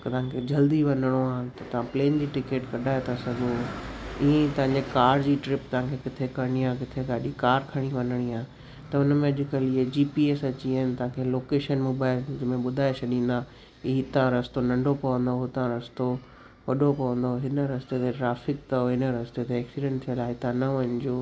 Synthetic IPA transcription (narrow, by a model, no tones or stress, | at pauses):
t̪ɐɦãkʰed͡ʑɐld̪iʋɐnəɽ̃oaːɦt̪ɐt̪ɐʋ̤ãpleːnd͡ʑiːʈɪkeːʈkɐɗʱaːet̪ʰasɐɡoɪɦẽt̪ɐ̃ɦãɲd͡ʑekaːɖd͡ʑiːʈɾɪpt̪ɐɦãkʰekɪt̪ʰekɐɾɽ̃iãːkɪt̪ʰeɡaːɗikaːɾkʰɐɽ̃iʋɐ̃nəɽ̃iaːɦ | t̪ɐʊnəmẽɐʄɪkəlɪed͡ʑiːpiesɐt͡ɕiaːɦɪnɪt̪ɐɦãːkʰeloːkeːʃənmoːbaːɪld͡ʑmẽɓʊd̪ʱaːet͡ɕʰɐɗĩːn̆d̪a | ɪɦit̪ɐãɾɐst̪onɐ̃ɳɖʱopɐʋə̃nd̪oɦʊt̪ãɾɐst̪o | ʋɐɗʱopɐʋə̃nd̪oɦɪnə̆ɾɐst̪et̪ʰeʈɾaːfɪk̚t̪ɐɦɪnəɾɐst̪et̪eɛːksiɖɛ̃ɳʈ̚t̪ʰiəlaːɦɪt̪ɐãnɐʋɐnɪ̆d͡ʑoː